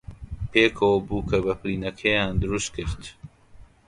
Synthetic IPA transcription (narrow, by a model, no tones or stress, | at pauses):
pʰeːkʰoːbuːkʰɐbɐpɾiːnɐkʰɛjaːnd̪ɨɾust̪̚kʰɨɾt̪